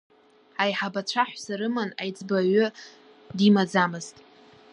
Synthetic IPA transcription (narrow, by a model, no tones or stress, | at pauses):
ajħabat͡ʃʷʰaħʷsaɾɨmanajd͡zʼbaɥʊ | dimad͡zamɨztʼ